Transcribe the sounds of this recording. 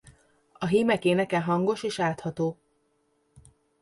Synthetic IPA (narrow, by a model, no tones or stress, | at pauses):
ɒɦiːmɛkeːnɛkɛɦɒŋɡo̞ʃeːʃaːt̪hɒt̪oː